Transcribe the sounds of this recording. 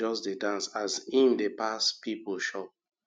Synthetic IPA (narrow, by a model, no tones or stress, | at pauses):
ɔsdedãnsazĩndepaspipolʃɔp̚